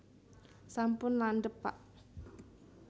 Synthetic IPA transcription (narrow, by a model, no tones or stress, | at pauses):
sampʊnlanɖəpa̰ʔ